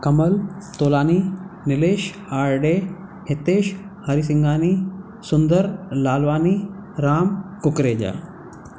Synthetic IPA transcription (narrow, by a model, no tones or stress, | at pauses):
kɐmɐlt̪oːlaːninɪleːʃ | aːɾɖeːhɪt̪eːʃ | hɐɾis̬ɪŋɡaːniː | sʊnd̪əɾlaːlʋaːniɾaːmkʊkɾeːd͡ʑa̰ː